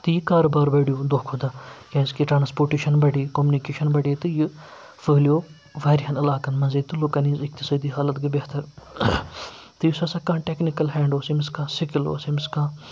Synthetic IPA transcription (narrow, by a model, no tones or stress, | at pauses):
t̪ɨjikaːɾobaːɾbɐɽijoːd̪oːkʰoːd̪ɐkʲãskiʈɾaːnspoːʈiʃɐnbɐɽikoːmunikeːʃɐnbɐɽit̪ɨji | fɐːlijoː | ʋɐːɾiɦɐnɐlaːkɐnmɐziːd̪̚t̪ːulokɐniːzɪk̚t̪isɐːd̪iːɦaːlɐt̪ɡibeht̪ɐɾ | t̪ɨjusɐsɐkãːʈeknikɐlɦɛ̃ːɳɖoːsimiskãːsikilo̰ːsimiskãː